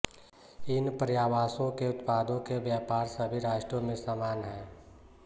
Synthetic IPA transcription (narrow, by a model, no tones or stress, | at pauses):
ɪnpɾjaːʋaːsõkeʊt̪paːd̪õkebjaːpaːɾsəbʱiɾaːʃʈɾomẽsaːmaːnɦɛ̃ː